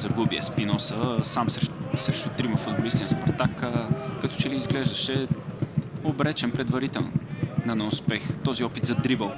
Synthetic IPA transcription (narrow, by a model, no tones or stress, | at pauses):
zɐɡubiɛ̰spinɔsəsamssɾɛʃt̪ʊt̪ɾimɐfʊd̪bolist̪inspɐɾt̪akkɐt̪ɔ̥t͡ʃɛliːzɡlɛʒd̪əʃɛ | obɾɛt͡ʃɛnpɾɛd̪vɐɾit̪ɛlˠno̰nɐnɐʊspɛxt̪ɔziɔpit̪zɐd̪ɾibəlˠ